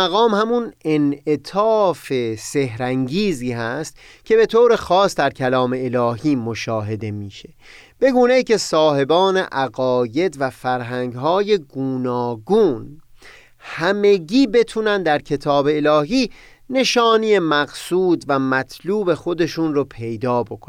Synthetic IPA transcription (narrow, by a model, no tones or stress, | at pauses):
æɣɒːmhæmunene̞t̪ʰɒːfe̞se̞hɾæŋɟiːziːhæst̪ | kcʰe̞be̞t̪ʰoːɾe̞xɒːsd̪æɾkʰælɒːme̞ːlɒːɦiːmoʃɒːɦe̞d̪e̞miːʃe̞ | b̥e̞ɡuːne̞iːcʰe̞sɒːhe̞bɒːne̞̰ʔæɣɒːje̞d̪væfæɾɦæŋɡɦɒːje̞ɡuːnɒːɡuːn | hæme̞ɡiːbe̞t̪ʰuːnænd̪d̪æɾkʰe̞t̪ʰɒːbe̞ːlɒːɦiː | ne̞ʃɒːnijemæɡsuːd̪væmæt̪ʰluːbe̞xo̞d̪e̞ʃuːnɾopʰe̞jd̪ɒːbo̞kʰon